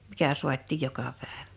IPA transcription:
mikæ suɑtˑiˑj jokɑ pæˑeʋ̥æ̥

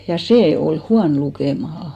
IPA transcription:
jɑ seː ol huɑn lukeˑmɑhɑ

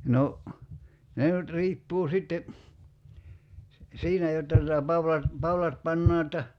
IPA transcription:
no ne nyt riːpːuː sitːe si siːnæ jotːɑ tutɑ pɑwlɑt pɑulɑt pɑnːɑː etːæ

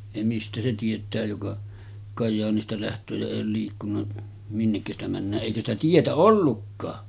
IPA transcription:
jɑ mistæ se tietˑæː jokɑ kɑjːɑːnistɑ læhtˑøː jɑ eˑij oːl liːkːunːɑ minːekːæ sitæ mænːæːʔ ʔeikæ stæ tietæ olːukːɑː

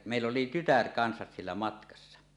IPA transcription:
jɑ meˑilː oli tytær kɑnsɑs sielːæ mɑtkɑsːɑ

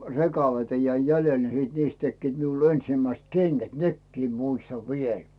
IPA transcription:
rekɑleitɑ jæi jælel ni siːt niːst tekːiːt miul ensĭmæist keŋɡ̊æt nekːiː muistɑʋ ʋiel

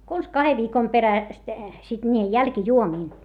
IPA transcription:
kons kɑheʋ ʋiːkom peræst sit niːjej jælkĭjuomiːn

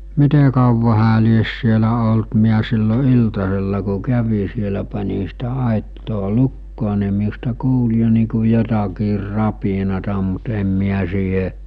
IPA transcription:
mite kɑuʋɑ hæː lies sielæ olt miæ silːo iltɑselːɑ ku kæʋi sielæ pɑnʲi sitæ ɑˑitːoː lukːoː ni miustɑ kuːl jo niː ku jotɑkiːr rɑpinɑtɑ mut em miæ siːɦe

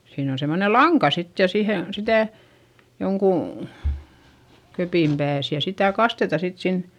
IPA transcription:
siːn on semːone lɑŋkɑ sit jɑ sihe sitæˑ joŋkuˑ køpiˑm pæːs jɑ sitæˑ kɑstetɑ sit sin

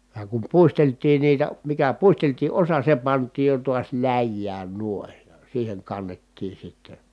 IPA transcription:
jɑ kum puisteltˑiːn niːtæ mikæ puisteltiː ʔosɑ se pɑntˑiːj jo tuɑs læjːæːn nuoĭn siːheŋ kɑnːetːiː sitːe

